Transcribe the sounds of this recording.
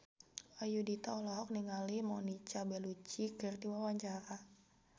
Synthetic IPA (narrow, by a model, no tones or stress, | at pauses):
ajudit̪aɔlɔɦɔk̚niŋalimɔnit͡ʃabɛlut͡ʃikɨrdiwawaɲt͡ʃaɾa